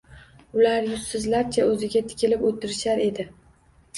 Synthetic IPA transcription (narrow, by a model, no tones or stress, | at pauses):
ʊlaɾjʊssɪzlaɾt͡ʃʰaɵzɪɡʲat̪ʰɪ̥kʲɪlɪpot̪ʰɪɾɪʃaɾe̞d̪ɪ